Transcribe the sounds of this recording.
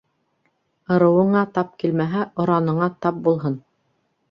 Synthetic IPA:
ɤ̆ɾɤ̆wɤ̆ɴɑt̪ɑp̚kilmæɦæʔŏɾɑnɤ̆ɴɑt̪ɑp̚bulˠɦɤn

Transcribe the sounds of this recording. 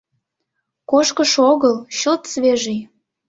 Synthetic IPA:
koʃkəʃoɣəlˠɕəlt̪sβeʒej

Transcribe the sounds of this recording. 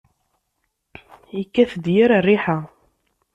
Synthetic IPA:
ikːæθd̪jiɾarːiħa

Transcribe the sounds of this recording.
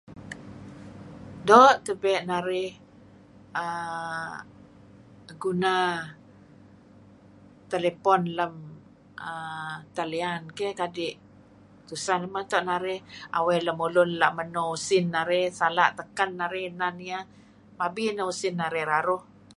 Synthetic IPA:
dɔʔt̪əbɛʔnaɾɪh | ə | ɡuna | t̪elepɔnləm | ət̪aliankɛhkadɪʔ | t̪usanəmat̪ɔʔnaɾɪha̰wɛləmulʊnlaʔmənɔusɪnːaɾɛhsala̰ʔt̪əkanːaɾɪhnania | mabinɔusɪnːaɾɛhɾaɾʊh

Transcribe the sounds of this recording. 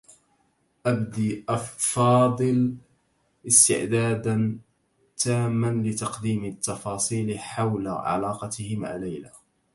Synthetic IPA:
ʔabd̪iːʔɑfɑːd̪ˤɨl | ʔɪst̪ɪ̰ʕd̪aːd̪an | t̪aːmːanlɪt̪ɑqd̪iːmɪt̪ːɑfɑːsˤiːlħawla̰ʕa̰lɑːqɑt̪ɪhɪma̰ːlajla

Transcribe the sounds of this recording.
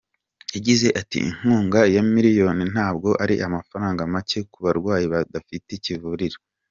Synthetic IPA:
jaɟize̞ʔatḭḭŋ̥huːŋɡajamiɾijo̞nin̥haːbɡo̞ʔaɾḭʔamafaɾaːŋɡamace̞kuβaɾɡwaːjiβadafitecivuɾiɾo

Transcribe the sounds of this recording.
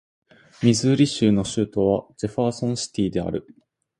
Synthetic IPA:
mʲizɨɾʲiɕɨːno̞ɕɨːt̪o̞βad͡ʑe̞ɸaːsõ̞ɰ̃ɕi̥t̪ʲiːd̪e̞a̰ɾɯ̟

